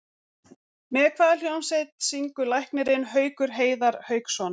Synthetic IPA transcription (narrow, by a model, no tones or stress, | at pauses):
mɛːkʰvaːðɪljowmsejt̪siŋkʏlajhknɪɾɪnɦœːɥkʏɾ̥ɦeːjðaɾhœːɥksɔn